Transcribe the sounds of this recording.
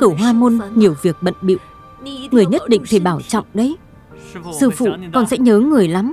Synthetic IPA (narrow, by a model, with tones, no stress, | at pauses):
t̪o˧˩ɦwaː˧mo˧nɲi˨˩əwvi˨˩ək̚ɓə̰˧˨nɓḭ˧˨w | ŋɨ˨˩əjɲə˦˥t̚ɗḭ̈˧˨ŋ̟t̪ʰi˨˧˩ɓaː˧˩wt͡ɕɔ̰˧˨wŋ͡mɗə˨˦j | sɨ̰˧˨fṵ˧˨kɔ˨˩nsɛ̰˧˥ɲəː˨˦ŋɨ˨˩əjla˨˦m